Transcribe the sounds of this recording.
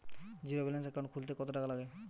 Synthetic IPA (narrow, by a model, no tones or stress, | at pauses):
d͡ʑiɾobilens̬ɛkːãʈkʰult̪̬ekɔt̪oʈakʰalaɡe